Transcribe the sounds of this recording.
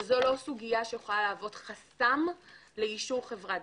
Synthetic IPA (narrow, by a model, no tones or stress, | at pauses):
zo̞lo̞suɡijaʃejeχolalaːvo̞dχasamleiʃuʁχe̞vʁa